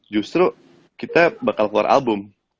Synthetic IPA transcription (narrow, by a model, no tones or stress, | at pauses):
d͡ʒust̪ɾu | kit̪abakalklua̰ɾʔa̰lbʊm